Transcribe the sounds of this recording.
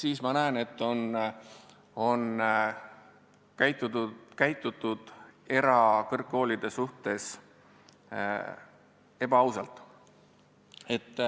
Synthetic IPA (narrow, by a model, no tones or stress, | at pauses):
siːsmɑnæene̞t̪ːˑo̞n | o̞n | kæjt̪ukæjt̪ːˑut̪ːˑud̪̥e̞ɾɑkɤrkːo̞ːlʲid̪̥e̞suht̪e̞s | e̞b̥ɑɑwsɑlt̪ˑ | e̞t̪ːˑ